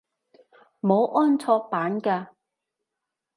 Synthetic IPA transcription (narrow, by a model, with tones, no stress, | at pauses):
mo˨˧wʔɔː˥nt͡sʰɔː˧k̚paː˨˥nkaː˧